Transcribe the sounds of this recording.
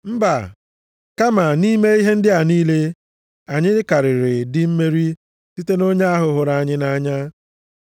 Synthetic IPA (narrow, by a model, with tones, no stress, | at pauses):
m̩˦ba˨ | ka˦ma˨ni˦me˦i˦ɦe˦n̩˦dɪ˦a˨niː˦le˦ | a˨ɲɪ˦ɪ˦ka˨ɾɪ˨ɾɪ˨dɪ˦m̩˦me˦ɾi˦ | si˦te˦no˦ɲa˦a˦ɦʊ˨ɦʊ˨ɾa˨a˨ɲɪ˦na˦ɲa˦